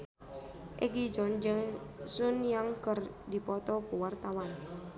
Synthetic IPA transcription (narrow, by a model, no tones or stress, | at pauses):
ʔiɡid͡ʒɔnd͡ʒəsʊnjaŋkər | dipɔt̪ɔkuwart̪awan